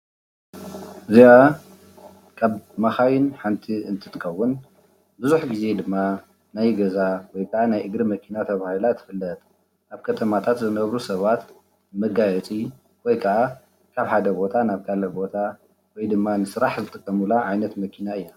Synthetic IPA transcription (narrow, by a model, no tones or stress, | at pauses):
ɨzia | kʰaβmaxajɪnħant̪ʰiɨnt̪ʰɨ̥t̪ɨkʰɐwːʊn | bɨzuħɡize̞d̪ɨmːa | najɡɐzawɔjkʰɐʔanajʔɨɡɾimɐkʰinat̪ʰɐβahilat̪ʰɨ̥fɨlːɐt̪ʼ | ʔaβkʰɐt̪ʰɐmat̪ʰat̪zɨnɐβɾusɐβat̪ | mɐɡajɛt͡sʼi | wɔjkʰɐʔa | kʰaβħad̪ɐbo̞t̪ʰanaβkʰalɐbo̞t̪ʰa | wɔjd̪ɨmːanɨsɨɾaħzɨt̪ʼɨkʼːɐmulaʕajnɐt̪mɐkʰinaɨjːa